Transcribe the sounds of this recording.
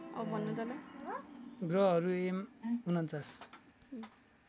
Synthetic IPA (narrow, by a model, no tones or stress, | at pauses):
ʌ̰bʌbʱʌnːud̪ʌla | ɡrʌɦʌɾuemunʌnt͡sas